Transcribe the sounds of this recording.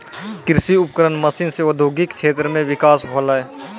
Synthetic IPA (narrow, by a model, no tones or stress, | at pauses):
kɪɾsiʊp̚kəɾənmɐsɪnseod̪ʱjoːɡɪkt͡ʃʃʰeːt̪ɾəmẽʋɪkaːsɦoːlaːeː